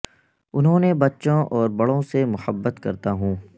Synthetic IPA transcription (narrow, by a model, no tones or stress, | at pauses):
ʊnɦõːnebɐtːʃõʔɔːɾbɐɽõsemʊhəbːət̪kɐɾt̪aɦũː